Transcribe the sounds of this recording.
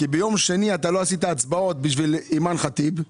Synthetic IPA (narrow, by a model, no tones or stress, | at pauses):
kibejo̞mʃe̞niat̪alo̞asit̪̬aːt͡sbao̞t̪̚biʃvilimanχat̪ib